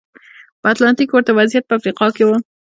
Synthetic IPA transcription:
pəat̪lɑnt̪ikːwəɾt̪awazjat̪̚pəafɾiqɑkewə

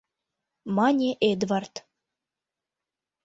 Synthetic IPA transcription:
mɑnʲeʔed̪vɑrt̪

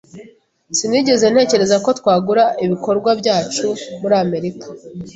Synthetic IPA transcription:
siniːɟe̞ze̞n̥e̞ːce̞ɾe̞zako̞twaːɡuɾaiβiko̞ɾɡwabɟaːt͡ʃumuɾiame̞ɾikḁ

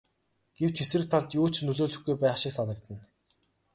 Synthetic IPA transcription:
ɡ̥ew̥t͡ɕxesɘ̆k̚t̪ʰaɮt̪joːt͡ɕnɵɮoːɮɵ̆xɡujpæːχʃɪksanə̆kt̪ə̆n

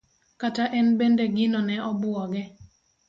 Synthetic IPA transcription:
kataʔɛnbendeɡɪnɔnɛɔbʊɔɡɛ

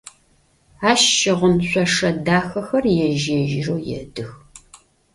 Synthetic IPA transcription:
aːʃːɪʁʷʊnɕʷʼɔʂɐdaːxɐxɐrjɛʒeʒɪroːjɛ̰dɨx

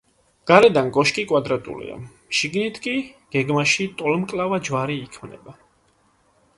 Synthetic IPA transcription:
ɡ̥aɾɛd̪anɡɔʃkʼikʼwad̪ɾat̪ʼṵlḭa̰ | ʃiɡnit̪ʰkʼiɡ̥ɛɡmaʃit̪ʼɔlmkʼlavad͡ʒvaɾiːkʰmnɛ̰ba

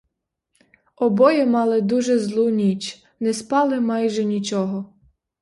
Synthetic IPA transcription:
ɔbɔjɛmɑlˠɪd̪uʒɛzlˠunʲit͡ʃ | nɛspɑlˠɪmɑjʒɛnʲit͡ʃɔɦɔ

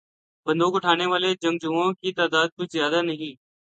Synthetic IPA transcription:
bənd̪oːkʊʈʰaːneːʋaːleːd͡ʒə̃ŋɡd͡ʒuːõːkiːt̪aːd̪aːd̪̚kʊt͡ʃʰzjaːd̪aːnəɦĩː

